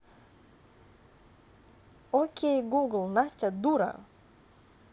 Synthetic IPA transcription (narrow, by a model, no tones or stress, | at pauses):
okʲʰejɡuɡəlˠnasʲtʲad̪uɾa̰